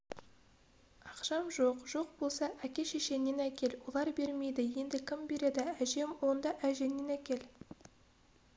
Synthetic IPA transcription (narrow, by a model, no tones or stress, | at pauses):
ɑqʃɑmʒoqʒo̞q̚bo̞lˠsɑʔækʲe̞ʃe̞ʃe̞nːe̞nækʲe̞lwo̞lˠɑɾbe̞ɾme̞jd̪ɪje̞nd̪ɪkʲʰɪmbe̞ɾe̞d̪ɪæʒe̞mwo̞nd̪ɑʔæʒe̞nːe̞nækʲe̞l